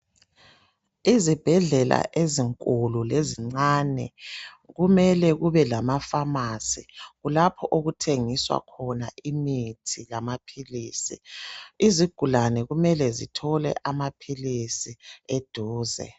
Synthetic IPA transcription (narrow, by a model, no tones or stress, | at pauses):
izib̥ʱɛɮɛla̰ʔeziŋkʼululeziŋ͡ǀaːnɛ̰ | ɣumɛlɛɣuβɛlamafamasiɣulapʰɔʔoɣutʰeŋiswa̰kʰɔnaimitʰijamapʰiliːsḭiziɡ̥ʱulanɛɣumɛlɛzitʰɔlɛ̰ʔamapʰilisied̥ʱuːzɛ̰